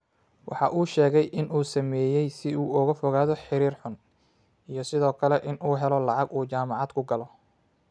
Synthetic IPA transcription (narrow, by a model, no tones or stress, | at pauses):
wʔɑ̰ħɑ̰ʔuːʃɛːɣɛjʔɪnuːsɐmɛːjɛjsɪuːɔɣɐfɔɣaːðɔħɪɾiːrħʊn | ijɞsɪðɔːkʰɐlɛʔɪnʔuːɦɛlɔlɑʕɑɡuːt͡ʃaːmɑʕɑd̪kʰʊɡɐlɔ